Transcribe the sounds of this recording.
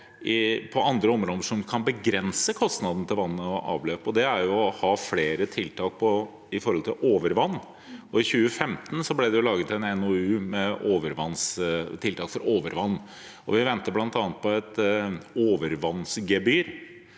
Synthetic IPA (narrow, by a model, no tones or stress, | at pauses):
ʔɪpʰɔʔɑnd̪ɾəɔmɾɔːd̪əʂɔmkʰɑnbəɡɾɛnsəkʰɔst̪nɑd̪n̩t̪ʰɪlʋɑnːəɔʔɑ̰ːʋløːpɔd̪ɛæɾjʊɔhɑːfleːɾət̪ʰɪlt̪ʰɑːk̚pʰɔ | ɪfɔɾhɔlt̪ʰɪlʔoːʋəɾʋɑnː | ɔɪçʉːəfɛmt̪ən̩sɔblɛd̪ɛjʊlɑːɡət̪ɛnɛnɔʉːmɛoːʋəɾʋɑnst̪ʰɪlt̪ʰɑːkfɔɾoːʋəɾʋɑnː | ɔʋɪʋɛnt̪əblɑnt̪ɑːnət̪pʰɔɛt̪oːʋəɾʋɑnːsɡɛbyːɾ